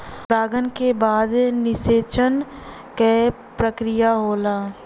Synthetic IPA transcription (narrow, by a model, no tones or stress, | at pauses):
ɾaːɡənkebaːd̪nɪseːt͡ʃən | kɛ | pɾəkɾɪjaɦoːlaː